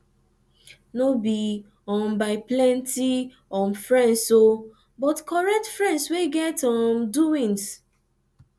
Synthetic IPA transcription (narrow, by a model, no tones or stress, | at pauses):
nobi | ɔ̃mbaɪplɛ̃nti | ɔ̃nfɹɛ̃nso | bɔtkɔɹɛk̚tfɹɛ̃ndsweɡɛtɔmduĩŋs